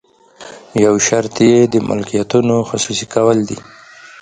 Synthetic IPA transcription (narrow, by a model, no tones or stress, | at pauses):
jawʃaɾt̪jed̪əmʔʊ̰lkijat̪unoxʊsusikawəld̪ḭ